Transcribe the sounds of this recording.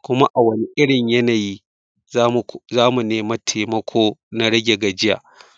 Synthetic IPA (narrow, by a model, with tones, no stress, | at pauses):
kʷʊ˦ma˦ʔa˨wɐ˦ni˦ʔɪ˦ɽɪ˨ɲjɐ˦naː˨ji˦ | m˨zaː˦mu˨neː˦mɐ˦tʰeː˨mɐ˦kʷʰoː˦na˦ɽɐ˦ɡʲe˨ɡa˨d͡ʒɪ˦ja̰ː˨ʔ